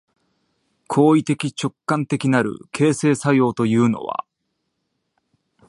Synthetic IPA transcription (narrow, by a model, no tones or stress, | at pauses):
kʰo̞ːit̪e̞kʲit͡ɕo̞kːãnt̪e̞kʲinaɾɯ̟̰kʰe̞ːse̞ːsajo̞ːt̪o̞jɯ̟ːno̞̰βa̰